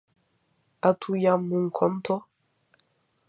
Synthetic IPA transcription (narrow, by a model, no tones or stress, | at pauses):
atʰujamːuŋ̩kʰɔnt̪ʰɔ